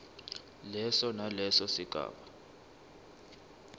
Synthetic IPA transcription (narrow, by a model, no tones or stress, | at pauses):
lɛsɔnalɛsɔsiɡ̥ʱa̰ːɓa